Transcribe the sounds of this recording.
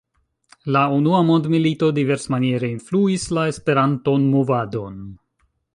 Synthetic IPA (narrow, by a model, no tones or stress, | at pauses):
launuamo̞ndmilito̞dive̞ɾsmanie̞ɾe̞influislae̞spe̞ɾanto̞nmovado̞n